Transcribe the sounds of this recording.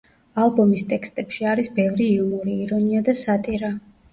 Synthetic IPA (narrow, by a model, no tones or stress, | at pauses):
alˠbɔmist̪ʼɛkst̪ʼɛpʃiaɾisbɛvɾiːumɔɾiːɾɔniad̪asat̪ʼiɾa